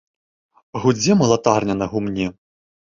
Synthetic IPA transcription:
ɣud͡zʲɛmɐlˠat̪arnʲɐnɐɣumnʲi

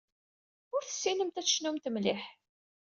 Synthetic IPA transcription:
ʊɾθə̥sːinəmt̪æʃnumt̪əmlɪħ

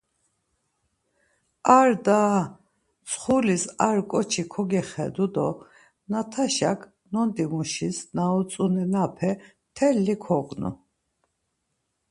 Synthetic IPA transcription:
aɾd̪aː | t͡sʰχulisaɾkʼɔt͡ʃʰikʰɔɡɛχɛ̰d̪ud̪ɔ | nat̪ʰaʃa̰kʰ | nɔnd̪imuʃisnaɔt͡sʼunɛnapʰɛ | t̪ʰɛlːikʰɔqʼnṵ

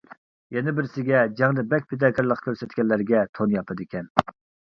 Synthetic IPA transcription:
jɛnɪbɪɾsɪɡʲɛd͡ʒɛŋnɪbɛkʲpʰɪd̪ɑːkʲʰɛɾlˠəqkʲʰøɾsɛt̪kʲɛllːæɾɡʲɛt̪ʰonjɑpʰɨd̪ɪkʲʰɛn

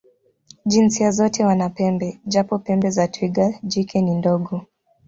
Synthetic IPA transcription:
ʄinsiazɔtɛwanapɛmbɛʄapɔpɛmbɛzatwiɡad͡ʒikɛnindɔɠɔ

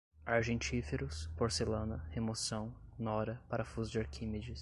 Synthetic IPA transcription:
aɾʒẽnt͡ʃifeɾʊspoɾselɐ̃nɐhemosɐ̃w̃nɔɾɐpaɾɐfuzd͡ʒaɾkʰĩmed͡ʒɪs

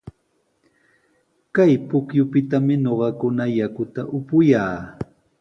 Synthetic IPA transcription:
kajpʊkjʊpɪt̪amɪɲoɢɑkʊnajakʊt̪aʔʊpʊjaː

